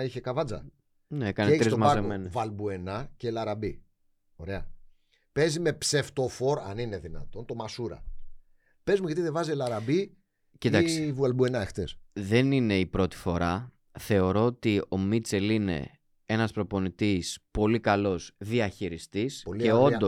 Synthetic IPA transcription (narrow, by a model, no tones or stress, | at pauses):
içekɐvɐd͡zɐ̰ | neekɐneeçt̪sɾisozmɐɐɾemenvɐlbue̞nɐcelɐɾɐbi | o̞ɾe̞ɐ̰ | pe̞zime̞pse̞ft̪o̞fo̞ɾɐnineðinɐ̰t̪o̞nt̪o̞mɐsuɾɐ̰ | pe̞zmuʝɐt̪iðevɐzielɐɾɐbi | cit̪ɐksivɐlbue̞nɐext̪esðe̞nine̞ipɾo̞t̪i̥fo̞ɾɐ | θe̞o̞ɾo̞ot̪io̞mit͡se̞line̞̰ | e̞nɐspɾo̞po̞nit̪ispo̞likɐlo̞zðiɐçiɾist̪ispolieo̞no